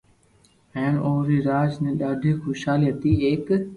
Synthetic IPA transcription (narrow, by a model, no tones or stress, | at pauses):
ɛ̃ːnoːɾiːɾaːd͡ʒnẽːɗaːɖʱiːxʊʃaːliət̪iːeːk